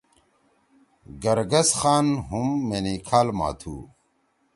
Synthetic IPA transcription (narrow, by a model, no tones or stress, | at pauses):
ɡɐɾɡɐsxaːnɦumːeniːkʰaːlma̰ːt̪ʰṵː